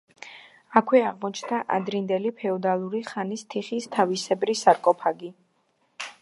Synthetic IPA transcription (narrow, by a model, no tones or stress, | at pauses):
akʰwɛaʁmɔt͡ʃʰnd̪aʔa̰d̪ɾind̪ɛlipʰɛɔd̪alˠuɾiχanist̪ʰiχist̪ʰavisɛbɾisaɾkʼɔpʰaɡi